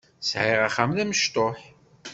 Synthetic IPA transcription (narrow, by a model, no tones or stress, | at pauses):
sʕɪʁaχamðæməʃt̪ˤoħ